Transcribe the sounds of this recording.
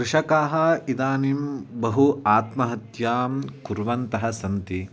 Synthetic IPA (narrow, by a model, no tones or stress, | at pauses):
kɾɪʂɐkaːɦɐ̆id̪aːnimbɐɦuaːt̪mɐɦɐt̪jaːmkuɾʋɐnt̪ɐɦɐsɐnt̪i